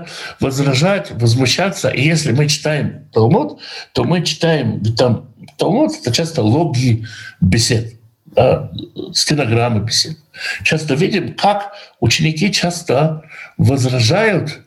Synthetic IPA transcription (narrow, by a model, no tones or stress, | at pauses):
vɐzɾɐʐajʊt̪vɐzmʊɕːat̪sə̰ʔijesʲlʲɪmɨt͡ʃɪ̥t̪ajɪmt̪ɐlˠmut̪t̪ːomɨt͡ʃɪ̥t̪ajɪmvʲt̪amt̪ɐlˠmut̪ɛ̥t̪ət͡ʃʰast̪əlˠoɡʲiːbʲɪsʲet̪̚ | d̪askʲɪnɐɡɾamːɨbʲɪsʲet̪̚t͡ʃast̪əvʲidʲɪmkʰakut͡ɕɪnʲɪkʲit͡ʃʰast̪əvɐzrɐʐajʊt̪